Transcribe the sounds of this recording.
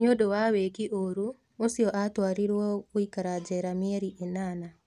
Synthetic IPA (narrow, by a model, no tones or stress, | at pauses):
ɲodowawekiʔoɾu | osiɔʔatwaːɾiɾwɔkwikaɾad͡ʒɛɾamiɛɾiʔenaːna